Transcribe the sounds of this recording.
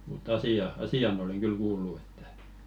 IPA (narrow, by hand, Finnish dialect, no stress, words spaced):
mutː ɑsiɑ ɑsiɑn oleŋ ɡ̊yl kuːlːu e̥tːæ̥